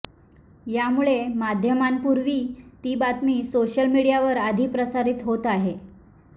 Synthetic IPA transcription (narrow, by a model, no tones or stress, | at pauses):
jamuɭemad̪ʱjəmanpuɾʋiːt̪iːbat̪miːsoɕəlmiɽijaʋəɾad̪ʱiːpɾəsaɾiːt̪ɦot̪aɦe